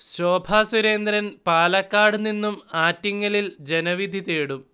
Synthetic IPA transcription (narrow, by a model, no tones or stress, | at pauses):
ɕo̞ːbʱaːsuɾe̞ːnd̪ɾɐnpaːlɐkːaːɽninːumaːtːiŋːɐlild͡ʑe̞nɐʋid̪ʱit̪eːɽum